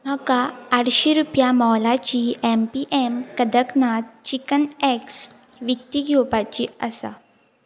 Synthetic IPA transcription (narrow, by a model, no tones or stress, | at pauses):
m̤əkaːɽɕeɾupjamɔlat͡ɕiempiʔemkəd̪əknat̪t͡ɕikəneks | ʋjək̚t̪iɡʱowpat͡ɕiːə̰sa̰